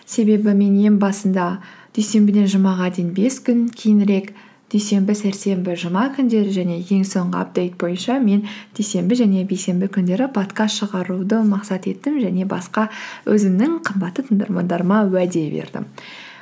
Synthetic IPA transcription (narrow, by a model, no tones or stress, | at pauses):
se̞be̞bɪme̞nje̞mbɑsənd̪ɑd̪̥ejse̞mbɪd̪e̞nʒəmɑʁɑd̪enbe̞skʲʰʏnkʲʰejɪnɾe̞k | d̪̥ejse̞mbɪsæɾse̞mbɪʒəmɑkʲʰʏnd̪e̞ɾɪʒæne̞kʲʰe̞ŋso̞ɴʁəɑ̰p̚d̪e̞jt̪̚bo̞jənʃɑme̞nd̪̥ejse̞mbɪʒæne̞be̞jse̞mbɪkʲʰʏnd̪e̞ɾɪpʰo̞t̪kɑst̪ʃəʁɑɾud̪əmɑqsɑt̪e̞t̪ːɪmʒæne̞bɑ̰sqɑwʔɵ̰zɪmnɪŋqʰəmbɑt̪ːət̪ʰəɴd̪ɑ̰ɾmɑ̰nd̪ɑɾəmɑwæd̪e̞bḛɾd̪ɪ̰m